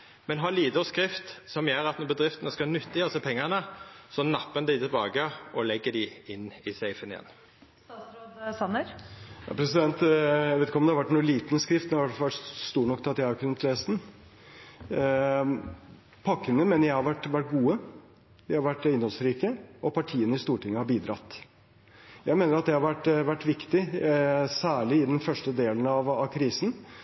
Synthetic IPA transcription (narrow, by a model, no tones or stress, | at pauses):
mɛnɦɑliːd̪ɔskɾɪft̪sɔmjøːɾɑt̪nɔbəd̪ɾɪft̪ənəskɑnʉt̪ːəjøːsəpʰɛŋːənəsɔnɑpːənəd̪ɪt̪ʰɪlbɑːɡəɔlɛɡːəd̪ɪɪnːɪsɛɪfənɪjɛ̰n | st̪ɑsɾoːd̪sɑnːəɾjɑ̰pʰɾɛsɪd̪ɛnt̪æʋeːt̪ɪkɔmd̪ɛɑʋæʈːnuːliːt̪nəskɾɪft̪d̪ɛhɑʋæʈʋæʈst̪uːɳɔkːt̪ʰɑt̪ːjækʰʉnːət̪ʰlest̪n̩ | pʰɑkːənəmɛnəjæɪhɑɾʋæʈːʋæʈ̚ɡuːə | ʋɪhɑɾʋæʈːɪnd̪ɔlsɾiːkəɔpɑʈʰiːənəɪst̪uːʈʰɪŋːəhɑɾbiːd̪ɾɑt̪ː | jæɪmeːnəɾɑt̪̚d̪ɛhɑɾʋæʈːʋæʈːʋɪkt̪ɪ | sæːɭɪɪd̪ɛnfœʂʈəd̪eːln̩ɑʋɑʋkʰɾiːsn̩